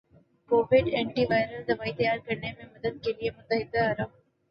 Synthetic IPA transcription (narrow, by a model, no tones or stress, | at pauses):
koːʋɪɖẽːɳʈiʋaːɪɾəld̪ɐʋaːit̪jaːɾkɐɾnemẽmɐd̪əd̪̚keliemʊt̪əɦɪd̪ːaɐɾəm